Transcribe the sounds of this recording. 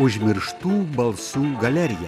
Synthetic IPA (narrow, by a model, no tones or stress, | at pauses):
ʊʒʲmʲɪɾʃt̪uːbɐlˠsuːɡɐlʲɛɾʲɪjɛ